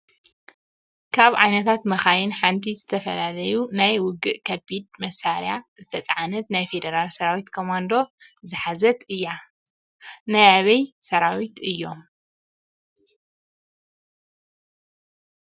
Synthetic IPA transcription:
kʰaβʕajnɐt̪ʰat̪mɐxajɪnħant̪ʰizɨt̪ʰɐfɐlalɐjunajwʊɡɨʔkʰɐbid̪̚mɐsaɾjazɨt̪ʰɐt͡sʼɐʕanɐt̪najfe̞d̪ɐɾalsɐɾawit̪kʰomand̪o̞zɨħazɐt̪ɨjːa | najaβɐjsɐɾawit̪ɨjːo̞m

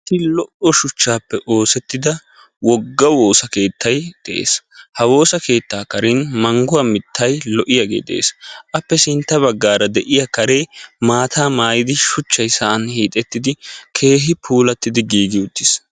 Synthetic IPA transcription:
st̪ːɪlɔʔɔʃʊt͡ʃːaːpːɛʔo̞ːsɛt̪ːɪd̪ɐ | wɔɡːɐwo̞ːsɐke̞ːt̪ʰːɐjd̪̥ɛʔḛːshɐwo̞ːsɐke̞ːt̪ːaːkɐɾɪnmɐŋɡʊɐmɪt̪ːɐjlɔʔɪjɐɡḛːd̪ɛ̰ʔḛːsʔɐpːɛsɪnt̪ːɐβɐɡːaːɾɐd̪ɛʔɪjakɐɾeːmaːt̪ʰaːmaːjɪd̪ɪʃʊt͡ʃːɐjsɐʔɐnhiːt̪ʼɛt̪ːɪd̪ɪkʰe̞ːɦɪpʰuːlɐt̪ːɪd̪ɪɡiːɡɪʊt̪ːɪs

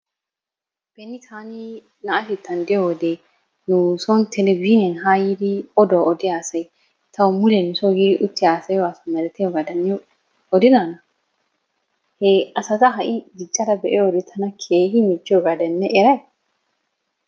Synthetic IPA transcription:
b̥ɛnːɪt̪ʰaːni | nɐɐfɪt̪ːɐnd̪ɪjoɔd̪e | nusɔnt̪ʰɛnɛbinɛnɦaːjid̪iɔd̪oʔɔd̪ɪaːsɐj | t̪ɐwʊmʊlɛnɪsojɪʔʊt̪ːɪaːsɐjwaːsɐnːɐlɛt̪ːɛɔɡad̪ɐnː | ɔd̪ɪnaːnɐ | hɛɐsɐt̪ɐɦɐʔɪd̪ɪt͡ʃʼːɐɾɐbɛʔɛjɔd̪ɛt̪ʰɐnɐkʰeːhɪmɪd͡ʒːɪɔɡad̪ɐnːɛʔɛɾɐj

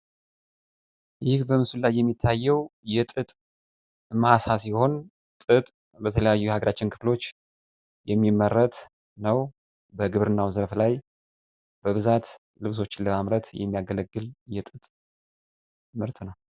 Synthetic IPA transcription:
jɪhbəmɨsulːajːɛmːit̪ʰːajːɛwjɛt̪ʼɨt̪ʼ | masasiho̞n | t̪ʼɨt̪ʼ | bət̪ʰələjajːuhaɡəɾʔat͡ʃːɪnkʰɨ̥flo̞t͡ʃː | jɛmːimːərːət̪ | nəw | bəɡɨβɾɨnːawzəɾflaj | b̥əβɨzat̪ | lɨβs̬o̞t͡ʃːɪləmamɾət̪jɛ̰mːijaɡələɡːɨljɛt̪ʼɨt̪ʼ | mɨɾt̪ʰɨnəw

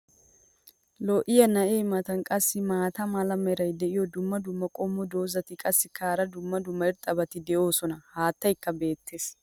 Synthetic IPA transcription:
lɔʔɪjɐnɐʔeːmɐt̪ɐnkʼɐsːɪmaːt̪ɐmɐlɐmɛɾɐjd̪ɛʔɪjɔd̪ʊmːɐd̪ʊmːɐkʼɔmːɔd̪oːzɐt̪ɪkʼɐsːɪkʰaːɾɐd̪ʊmːɐd̪ʊmːɐɪɾt̪ʼːɐbɐt̪ɪd̪ɛʔo̞ːsɔnɐhaːt̪ːɐjkːɐbe̞ːt̪ːe̞ːs

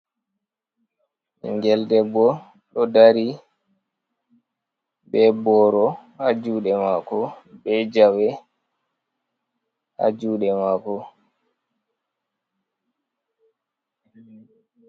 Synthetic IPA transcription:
ḭŋɡɛldɛbɔ | ɗɔdaɾi | bɛbɔɾɔhad͡ʒuːɗɛmakɔbɛd͡ʒawɛ | ha̰d͡ʒuːɗɛmakɔ

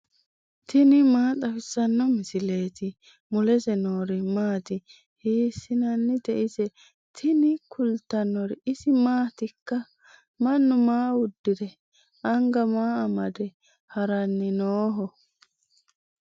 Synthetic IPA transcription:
t̪ʰɪnɪmaːt̪ʼɐfɪsɐnːɔmɪsɪle̞ːt̪ɪ | mʊlɛsɛnoːɾɪmaːt̪ɪ | hiːsɪnɐnːɪd̪ɛʔɪsɛ | t̪ʰɪnɪkʰʊlt̪ɐnːɔɾɪɪsɪmaːt̪ɪkːɐ | mɐnːʊmaːwʊd̪ːɪdɛ | ɐŋɡɐmaːɐmɐd̪ɛ | hɐɾɐnːɪnoːɦɔ

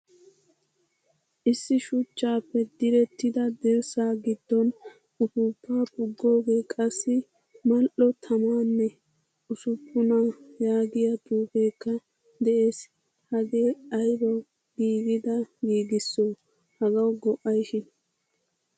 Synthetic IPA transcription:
ʔɪsːɪʃʊt͡ʃːaːpːɛd̪ɪɾɛt̪ːɪd̪ɐd̪ɛɾsaːɡɪd̪ːɔn | ʊfʊpːaːpʊɡːo̞ːɡe̞ːkʼɐsːɪ | mɐlʔɔt̪ʰɐmaːnːɛ | ʊsʊpʰːʊnajaːɡɪjɐd̪uːfeːkːɐ | d̪ɛʔeːs | hɐɡeːɐjbɔ | ɡiːɡɪd̪ɐɡiːɡɪsːoː | hɐɡɐwɡɔʔɐjʃɪn

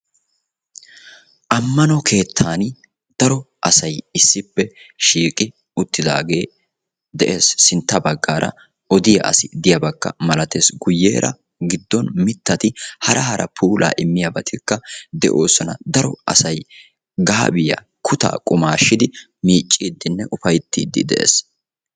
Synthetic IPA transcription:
ʔɐmːɐnɔkʰe̞ːt̪ʰːaːn | d̪̥ɐɾɔ | ʔɐsɐjɪsːɪpːɛʃiːkʼɪ | ʊt̪ːɪd̪a̰ːɡe̞ː | d̪ɛʔe̞ːsːɪnt̪ːɐbɐɡːaːɾʔɐ̰ | ɔd̪ɪjɐ̰ʔɐ̰sɪd̪ɪjɐbɐkːɐ̰mɐlɐt̪e̞ːsɡʊjːḛːɾʔɐ̰ | ɡɪd̪ːɔnmɪt̪ːɐt̪ɪhɐɾʔɐɦɐɾʔɐ̰pʰuːlʔa̰ːʔɪmːɪjɐbɐt̪ʰɪkːɐd̪ɛʔo̞̰ːsɔnɐ̰d̪ɐɾɔɐ̰sɐj | ɡaːbɪjɐ̰ | kʰʊt̪a̰ːkʼʊmaːʃːɪd̪ɪ | miːt͡ʃʼːiːd̪ːɪnːɛʔʊfɐjt̪ːḭːd̪ːɪ̰d̪ɛ̰ʔḛːs

